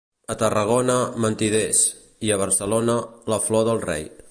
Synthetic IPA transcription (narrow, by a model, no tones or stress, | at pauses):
ət̪ərəɣ̞onəmənt̪iðes | iəβ̞əɾsəlonələflɔðəlˠrɛ̰j